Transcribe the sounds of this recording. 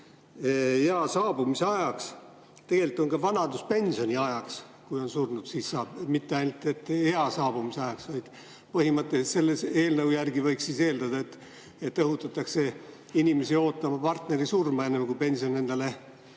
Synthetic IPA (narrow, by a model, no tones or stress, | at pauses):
eɑsɑːbumiseɑjɑks | t̪e̞ɡ̥e̞lit̪ːˑo̞ŋkɑvɑnɑd̪uspe̞nʲso̞nʲiɑjɑks | kujo̞nsurnud̪̥siːsːɑːb̥mit̪ːeɑjnult̪ˑe̞t̪ːˑeɑsɑːb̥umiseɑjɑksvɑjd̪̥ | pɤɦimɤt̪ːˑeset̪se̞lːese̞ːlnɤwjærɡivɤjksiːse̞ːld̪ɑd̪̥ɑe̞t̪ːˑ | et̪ːɤɦut̪ːˑɑt̪ːˑɑkse̞ | inʲime̞sio̞ːt̪ːˑɑmɑpɑrt̪ne̞ɾisurmɑe̞nːemkujpe̞nʲsione̞nd̪̥ɑle̞